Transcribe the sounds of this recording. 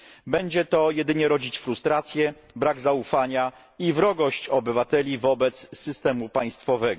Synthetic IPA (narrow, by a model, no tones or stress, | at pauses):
bɛɲd͡ʑɛt̪ɔjɛd̪ɘɲɛɾɔd͡ʑit͡ɕfɾust̪ɾat̪sʲjɛ | bɾaɡzaufaɲa | ivɾɔɡɔɕt͡ɕɔbɘvat̪ɛlʲivɔbɛt̪sːɘst̪ɛmupaj̃st̪fɔvɛɡɔ